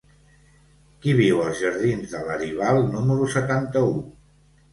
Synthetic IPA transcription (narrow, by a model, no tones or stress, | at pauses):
kiβiwəlˠzʒəɾð̞inzðələɾiβalˠnuməɾusət̪ant̪əu